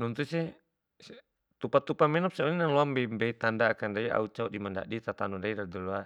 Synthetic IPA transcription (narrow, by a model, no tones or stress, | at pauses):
nɔnt̪usɛ | s | t̪upat̪upamɛnɔp̚sɛɔninalɔambɛmbɛit̪andaːkandaia̰ut͡ʃaudimanda̰ʔdit̪at̪anundaiɾadɔlua